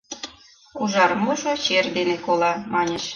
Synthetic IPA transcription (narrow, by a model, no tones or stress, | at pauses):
uʒɑɾmuʒot͡ɕerd̪enekolɑmɑnʲeʃ